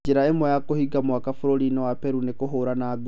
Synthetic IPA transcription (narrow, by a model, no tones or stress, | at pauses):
d͡ʒeɾaemwɔjakohiɡamwakafoɾoɾinɔwapɛɾunekoɦoɾanaːɡ